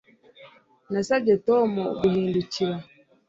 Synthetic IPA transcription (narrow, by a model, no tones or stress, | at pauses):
nasaɟɛtɔmɔɡuhiːnduciɾa